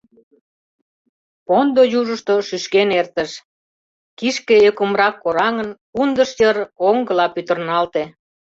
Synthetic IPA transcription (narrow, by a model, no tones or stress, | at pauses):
pond̪ojuʒəʃt̪oʃyʃkenert̪əʃ | kiʃkeəkəmrɑkːoɾɑŋənkund̪əʃjəroŋɡə̆lɑpyt̪ə̆rnɑlt̪e